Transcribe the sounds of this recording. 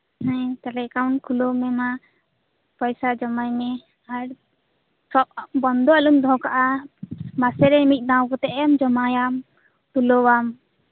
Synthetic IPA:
ɦɛ̃t̪alɛkawnkʰulomɛma | pɔjsad͡ʒɔmajnɛ | aɾ | sɔp̚bɔnd̪ʱɔalumd̪ʱɔ̃kaʔa | masɛɾɛmit̪̚ˀnawkɔt̪ɛʔɛmd͡ʒɔmajam | t̪ulowam

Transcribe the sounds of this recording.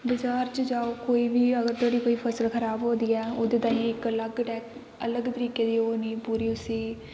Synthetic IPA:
bəd͡ʒaːɾt͡ʃəd͡ʒaːoːkoːiːʋiːəɡəɾt̪oːɽiːkoːiːpʰəsəlkʰəɾaːbɦoːd̪iːɛːʊd̪eːt̪ãːĩːɪkələɡʈɛːk | ələɡt̪əɾiːkeːd̪iːɦoːniːpuːɾiːʊsiː

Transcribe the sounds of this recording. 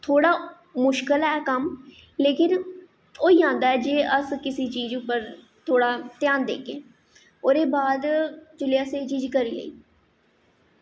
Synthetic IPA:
t̪ʰoːɽaː | mʊʃkəlɛːkəm | leːkɪn | oːiːãːnd̪aːɛːd͡ʒeːʔəskɪsiːt͡ʃiːd͡ʒʊpːəɾ | t̪ʰoːɽaːt̪ɪjaːnd̪ḛːkeː | oːɾeːbaːd̪d͡ʒʊlɪjaːseːt͡ʃiːd͡ʒkəɾiːlə̰ḭː

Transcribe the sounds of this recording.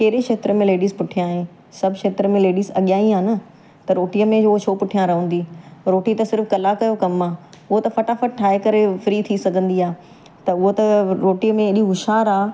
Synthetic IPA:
keːɾekʃeːt̪ɾəmẽleːɖiːzpʊʈʰijãːɦẽ | sɐbʱʃeːt̪ɾəmẽleːɖiːzɐɠjaːĩaːnə | t̪ɐɾoːʈiəmẽd͡ʑooʃʰoːpʊʈʰijãɾɐɦə̃n̆d̪iːɾoːʈit̪ɐsɪɾfkɐlakɐjokɐmaː | ʊɦot̪ɐfɐʈafəʈ̚ʈʰːaːɦekɐɾefɾiːt̪ʰisɐɡʱə̃nd̪iaː | t̪ɐʊɦot̪ɐɾoːʈiəmẽɪɗiɦʊʃaːɾaː

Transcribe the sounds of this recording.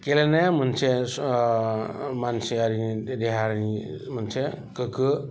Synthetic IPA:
kelnam̤ənse | manseaɾind̪eɦaɾnim̤ənsekəkə

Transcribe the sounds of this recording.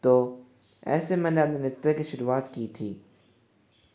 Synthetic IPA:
t̪oː | ɛ̰ːsemɛ̃ːneɐpnenɪtt̪ekiʃʊɾuaːt̪kiːt̪ʰiː

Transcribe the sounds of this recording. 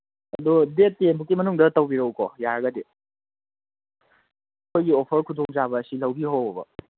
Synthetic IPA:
ɐ̰dudetːenbukːimɐnuŋdɐtɐwbiɾowkojaɾɐɡɐde | ɐkʰojɡiopʰɐɾkʰudoŋzaβɐːsilɐwbiɦowɐbɐ̰

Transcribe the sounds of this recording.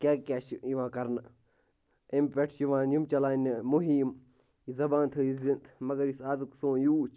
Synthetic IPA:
kakʲaːt͡ʃiʋãːkɐɾn | impeʈʰjuʋãːjumt͡ʃɐlaːnmuɦiːm | izɐbãːnt̪ʰɨjizint̪ʰmɐɡɐɾisaːzuksõːjuːt͡ʃʰ

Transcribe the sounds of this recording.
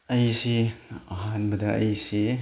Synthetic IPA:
ɐjsiɐɦanbɐdɐɐ̰jsi

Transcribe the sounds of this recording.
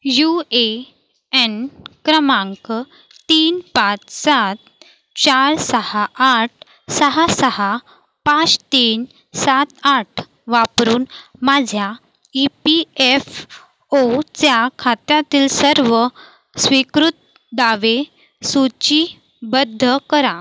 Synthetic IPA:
jue | enkɾəmãŋk | t̪iːnpat͡ssat̪̚ | t͡ɕaɾsəhaʔːʈ̚ʰ | səɦasəɦa | pat͡st̪iːn | sat̪aʈʰ | ʋapɾuːnmad͡ʑʱja | ipief | ot͡sjakʰat̪jat̪iːlsəɾʋə | sʋikɾut̪̚ | d̪aʋe | sut͡ɕi | bəd̪ʱːəkəɾã

